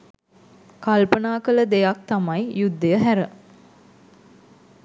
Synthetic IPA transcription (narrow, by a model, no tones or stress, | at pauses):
kalpənaːkələd̪ejak̚t̪amajjud̪ːəjəɦæɾə